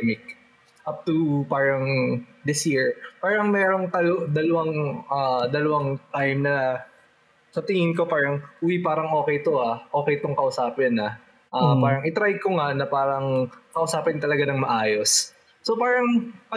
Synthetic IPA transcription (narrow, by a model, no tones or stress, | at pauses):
mɪk̚ | ʔap̚t̪upaːɹɐŋd̪ɪsjiɹpaːɾɐŋmɛːɾoŋt̪ɐlod̪ɐlɐwaŋʔaːd̪ɐlɐwɐŋt̪ajmnɐ | sɐt̪ɪŋɪnko̞paːɾɐŋuːwipaːɾɐŋʔo̞ːkɛjt̪oʔaʔo̞ːkɛjt̪oŋkɐʔʊsaːpɪnɐ | ʔapaːɾɐŋʔɪt̪ɾajkoŋanɐpaːɾɐŋkɐʔʊsaːpɪnt̪ɐlɐɡanɐŋmɐʔaːjo̞sː | opaːɾɐŋpɐ